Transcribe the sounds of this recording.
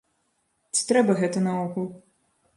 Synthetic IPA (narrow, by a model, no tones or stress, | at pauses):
t͡sʲi̥t̪ɾɛbɐɣɛt̪ɐnɐɔkulˠ